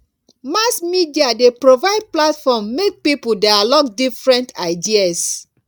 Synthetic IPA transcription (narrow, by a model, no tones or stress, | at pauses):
masmidiadepɹovaɪd̚platfɔmːek̚pipudaalɔkdifɹɛ̃ntʰaɪdias